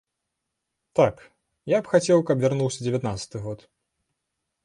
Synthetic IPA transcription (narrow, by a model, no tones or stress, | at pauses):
t̪ak | japxat͡sʲɛwkɐpvʲarnuwsʲɐd͡zʲɪvʲat̪nat̪sɐ̥t̪ɨɣɔt̪